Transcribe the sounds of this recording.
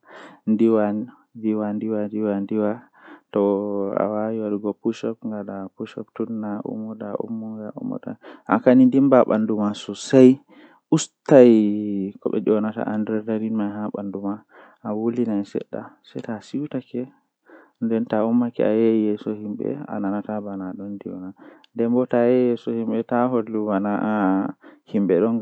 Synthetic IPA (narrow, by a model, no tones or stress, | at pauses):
ndiwan | diwandiwadiwandiwa | tɔa̰wawiwaɗuɡɔpuʃɔpŋɡalapuʃɔptunːaʔṵmɔdaʔṵmːɔŋɡaʔṵmːɔ̰da̰ʔa̰kanindimbaɓa̰ndumasɔsaj | ʔustajkɔɓɛ̰d͡ʒɔnata̰ʔandɾɛdaɾinmajɦaɓanduma | ʔawolinasɛ̰ɗːa̰sɛjtasiwtakɛ | ndɛntaumːakɛ̰ajeijɛsɔhimɓɛ̰a̰nanatabanaɗɔndiɔnandɛmbɔtajɛjɛsɔhimɓɛtaɦolːubanaʔ | himɓɛɗɔŋ